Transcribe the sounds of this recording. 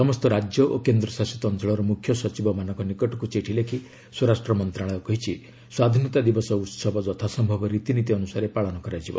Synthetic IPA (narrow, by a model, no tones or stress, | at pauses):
sɔmɔst̪ɔɾad͡ʒjɔʔokend̪ɾɔsasɔt̪ɔnt͡ʃɔɭɔɾɔmukʰjɔsɔt͡ʃibɔmanɔŋkɔnikɔʈɔkut͡ʃeʈʰilekʰi | swɔɾasʈɾɔmɔnt̪ɾaɭɔjɔkɔɦit͡ʃʰi | swad̪ʱinɔt̪ad̪ibɔsɔut̪sɔbʱɔd͡ʒɔt̪ʰasɔmbʱɔbɔɾit̪init̪iɔnusaɾepaɭɔnɔkɔɾajd͡ʒibɔ̰